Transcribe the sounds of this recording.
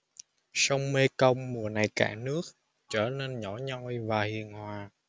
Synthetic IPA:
sə˧wŋ͡mme˧kə˧wŋ͡mmu˨˩əna˨˩jka̰ː˧˩nɨ˦˥ək̚ | t͡ɕəː˧˩ne˧nɲɔ˧˥˦ɲɔ˧wjvaː˨˩hḭ˨˩ənhwaː˨˩

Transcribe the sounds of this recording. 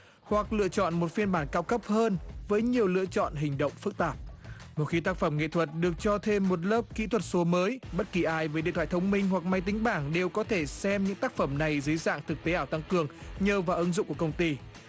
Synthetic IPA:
hwa˨˩k̚lɨ̰˧˨ət͡ɕɔ̰˧˨nmo˨˩t̚fi˧ənɓaː˧˩nkaː˧wkə˦˥p̚həː˧nvəː˨˦jɲi˨˩əwlɨ̰˧˨ət͡ɕɔ̰˧˨nɦï˨˩ŋ̟ɗə̰˧˨wŋ͡mfɨ˦˥k̚t̪aː˨˩p̚ | mo˨˩t̚xi˨˦t̪aː˥k̚fə˧˩mŋḛ˧˨t̪ʰwə˨˩t̚ɗɨ˨˩ək̚t͡ɕɔ˧t̪ʰe˧mːo˨˩t̚ləː˦˥p̚kḭ˧˥t̪ʰwə˨˩t̚so˨˦məː˨˦jɓə˦˥t̚ki˨˩ʔaː˧˩jvəː˨˦jḛ˧˨t̪wa̰ː˨t̪ʰə˨˦wŋ͡mmï˧ŋ̟ɦwa˨˩k̚ma˨˧jt̪ï˨˦ŋ̟ɓaː˧˩ŋɗe˨˩wkɔ˨˦t̪ʰe˧˩sɛ˧mɲɨ̰˧˥ŋt̪aː˦˥k̚fə˧˩mna˨˩jzə˨˦jza̰ː˧˨ŋt̪ʰɨ˨˩k̚t̪e˨˦ʔaː˧˩wt̪a˧˩ŋkɨ˨˩əŋɲəː˨˩vaː˨˩ʔə˨˦nzʊ̰˧˨ŋ͡mku˧˩əkə˧wŋ͡mt̪i˧

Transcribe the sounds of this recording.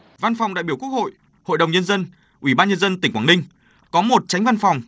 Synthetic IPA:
va˧nfa˨˩wŋ͡mɗa̰ː˧˨ɓi˧˩əkək̚ho̰˧˨j | ho̰˧˨jɗə˨˩wŋ͡mɲə˧nzə˧n | ʔwi˧˩ɓaː˧nɲə˧nzə˧nt̪i˨˩ŋkwaː˧˩nï˧ŋ̟ | kɔ˨˦mo˨˩t̚t͡ɕa˨˦jŋ̟va˧nfa˨˩wŋ͡m

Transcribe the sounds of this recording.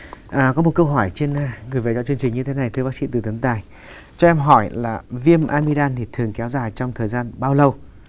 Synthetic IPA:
ʔəː˨˩kɔ˨˦mo˨˩t̚kə˧wɦɔ˧˩jt͡ɕe˧n˧ŋɨ˨˩əjve˨˩zɔ̰˧˥t͡ɕɨ˧əŋt͡ɕï˨˩ŋ̟ɲɨ˧t̪ʰe˨˦na˨˩jt̪ʰɨ˧ɓaː˦˥k̚sḭ˧˥t̪ɨ˨˩t̪ɨ˨˦ŋt̪aː˨˩j | t͡ɕɔ˧ʔɛ˧mɦɔ˧˩jlaː˨˩vi˧əmʔaː˧mi˧ɗaː˧nt̪ʰi˨˩t̪ʰɨ˨˩əŋkɛ˨˦wzaː˨˩jt͡ɕwŋ͡mt̪ʰəː˨˩jzaː˧nɓaː˧wlə˧w

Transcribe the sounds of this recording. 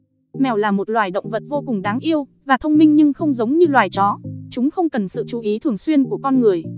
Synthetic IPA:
mɛ˨˩wlaː˨˩mo˨˩t̚lwaː˨˩jɗə̰˧˨wŋ͡mvə˨˩t̚vo˧kʊ˨˩ŋ͡mɗaː˨˦ŋʔi˧əwvaː˨˩t̪ʰə˧wŋ͡mmï˧ŋ̟ɲɨ˧ŋxə˧wŋ͡mzə˨˦wŋ͡mɲɨ˧lwaː˨˩jt͡ɕɔ˨˦t͡ɕʊ˨˦ŋ͡mxə˧wŋ͡mkə˨˩nsɨ̰˧˨t͡ɕu˨˦ʔi˨˦t̪ʰɨ˨˩əŋswi˧ənku˧˩əkɔ˧nŋɨ˨˩əj

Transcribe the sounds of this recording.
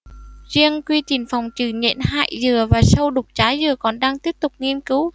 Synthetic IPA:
zi˧əŋkwi˧t͡ɕi˨˩nfa˨˩wŋ͡mt͡ɕɨ˧˩ɲɛ̰˧˨nha̰ː˧˨jzɨ˨˩əvaː˨˩sə˧wɗʊ˨˩k͡p̚t͡ɕaː˨˦jzɨ˨˩əkɔ˨˩nɗaː˧ŋt̪i˦˥əp̚t̪ʊ˨˩k͡p̚ŋi˧ənkɨ˨˦w

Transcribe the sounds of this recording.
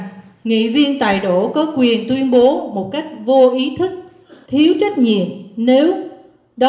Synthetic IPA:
ŋḭ˧˨vi˧ənt̪a̰ː˧˨jɗo˧˩kɔ˨˦kwi˨˩ənt̪wi˧ənɓo˨˦mo˨˩t̚ka˦˥jk̟̚vo˧ʔi˨˦t̪ʰɨ˦˥k̚ | t̪ʰi˨˦əwt͡ɕa˦˥jk̟̚ɲḭ˧˨əmne˨˦w | ɗ

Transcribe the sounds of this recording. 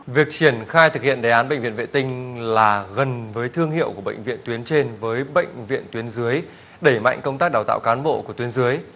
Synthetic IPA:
vi˨˩ək̚t͡ɕi˧˩ənxaː˧jt̪ʰɨ˨˩k̚hḭ˧˨ənɗa˨˩jʔaː˨˦nɓə̰˧˨jŋ̟vḭ˧˨nvḛ˧˨nt̪ï˧ŋ̟laː˨˩ɣə˨˩nvəː˨˦jt̪ʰɨ˧əŋhḭ˧˨əwku˧˩əɓə̰˧˨ŋ̟vḭ˧˨ənt̪wi˨˦ənt͡ɕe˧nvəː˨˦jɓə̰˧˨jŋ̟vḭ˧˨ənt̪wi˨˦ənzɨ˨˦əj | ɗe˧˩ma̰˧˨jŋ̟kə˧wŋ͡mt̪aː˦˥k̚ɗaː˨˩t̪a̰ː˧˨wkaː˨˦nɓo̰˧˨ku˧˩ət̪wi˨˦ənzɨ˨˦əj

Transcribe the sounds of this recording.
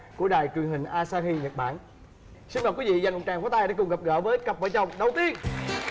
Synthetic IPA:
ku˧˩əɗa̰ː˧˨jt͡ɕwi˨˩ənhï˨˩ŋ̟ʔaː˧saː˧xi˧ɲə˨˩t̚ɓa̰ː˧˩n | si˧nma˨˩ki˨˦vḭ˧˨za˧˩jŋʔʊ̰˨˩ŋ͡mt͡ɕaː˨˩ŋfaː˨˦t̪aː˧jɗa̰ː˧˥kʊ˨˩ŋ͡mɣə˨˩p̚ɣə̰ː˧˩vəː˨˦jkə˨˩p̚və̰ː˧˨˦t͡ɕə˨˩wŋ͡mɗə˨˩wt̪i˧ən

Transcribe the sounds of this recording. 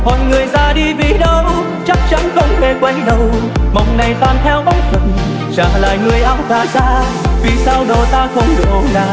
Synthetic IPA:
mɔ̰˨jŋɨ˨˩əjzaː˧ɗi˧vi˨˩ɗə˧w | t͡ɕa˦˥k̚t͡ɕa˧˥nkə˧ŋ͡mve˨˩kwa˧jŋɗə˨˩wmə˨˩wŋ͡mna˨˩jt̪aː˨˩nt̪ʰɛ˧wɓa˨˦t̚və˨˩n | t͡ɕa̰ː˧˩la̰ː˧˨jŋɨ˨˩əjʔaː˧wt̪aː˧˩zaː˧vi˨˩saː˧wɗo˨˩t̪aː˧xə˧wŋ͡mɗɨ˨˩ʔo˧˦la̰ː˧˨

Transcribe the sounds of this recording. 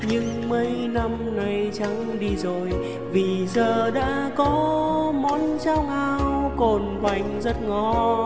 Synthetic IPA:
ɲɨ˧ŋ | mə˨˦jna˧m | na˨˧˩jt͡ɕa˨˦ŋɗi˧zo˨˩j | vi˨˩zəː˨˩ɗa̰ː˧˥kɔ˨˦mɔ˨˦nt͡ɕaː˧wŋʔaː˧wwko˨˩nɓa˨˩jŋ̟zə˦˥t̚ŋɔ˧˩

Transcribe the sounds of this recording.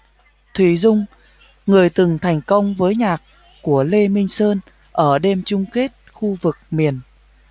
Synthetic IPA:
t̪ʰwi˧˩zʊ˧ŋ͡m | ŋɨ˨˩əjt̪ɨ˨˩ŋt̪ʰa˨˩jŋ̟kə˧wŋ͡mvəː˨˦jɲaː˨˩k̚ | ku˧˩əle˧mï˧ŋ̟səː˧n | ʔəː˧˩ɗe˧mt͡ɕʊ˧ŋ͡mke˦˥t̚xu˧vɨ˨˩k̚mi˨˩ən

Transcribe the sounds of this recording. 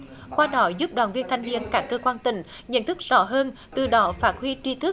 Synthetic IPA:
kwaː˧ɗɔ˨˩˦zu˦˥p̚ɗwaː˨˩nvi˧ənt̪ʰa˧jŋvḭ˧ənkaː˦˥kːəː˧kwaː˧nt̪ï˧˩˦ŋ̟ | ɲə̰˧˨nt̪ʰɨ˦˥k̚z̥ɔ˧˦ɦəː˧n | t̪ɨ˨˩ɗɔ˨˦faː˦˥t̚hwi˧t͡ɕi˧t̪ʰɨ˦˥

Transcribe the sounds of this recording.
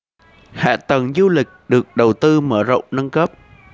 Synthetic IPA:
ha̰ː˧˨t̪ə˨˩ŋzu˧lï˨˩k̟̚ɗɨ˨˩ək̚ɗə˨˩wt̪ɨ˧məː˧˩zə̰˧˨wŋ͡mnə˧nkə˦˥p̚

